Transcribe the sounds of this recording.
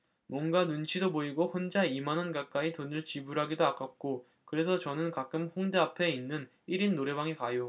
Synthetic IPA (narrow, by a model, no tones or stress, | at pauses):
mwʌnɡanunt͡ɕʰidoboiɡoɸond͡ʑaimanʌnkak͈aitonɯɭt͡ɕibuɾɦaɡidoak͈ap̚k͈o | kɯɾe̞sʰʌt͡ɕʌnɯnkak͈ɯmɸoŋde̞apʰe̞inːɯn | iɾinːoɾe̞baŋikajo